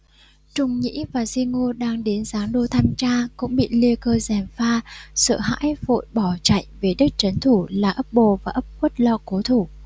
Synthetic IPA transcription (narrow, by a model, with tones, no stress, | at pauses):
t͡ɕʊ˨˩ŋ͡mɲḭ˧˥vaː˨˩zi˧ŋo˧ɗaː˧ŋɗe˨˦nz̥aː˨˦ŋɗo˧˩t̪ʰaː˧mt͡ɕaː˧kʊ̰˧˥ŋ͡mɓḭ˧˨li˧əkəː˧zɛ˨˩mfaː˧sə̰ː˧˨ɦa̰ː˧˥jvo̰˧˨jɓɔ˧˩t͡ɕa̰˧˨jŋve˨˩ɗɨ˦˥k̚t͡ɕə˨˦nt̪ʰu˧˩laː˨˩ʔə˦˥p̚ɓo˧˩vaː˨˩ʔə˦˥p̚kwə˦˥t̚lɔ̰˧˨ko˨˦t̪ʰu˧˩